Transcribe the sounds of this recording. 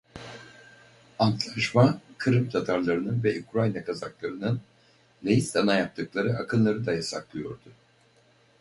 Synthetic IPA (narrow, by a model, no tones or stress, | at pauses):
ant̪lˠaʃmakʰɯɾɯmt̪ʰat̪ʰaɾlˠaɾɯnɯnvɛʔukɾajnakʰazaklˠaɾɯnɯn | lʲejist̪anajap̚t̪ʰɯklˠaɾɯakʰɯnlˠaɾɯd̪ajasa̰klˠɯjo̞̰ɾd̪ʊ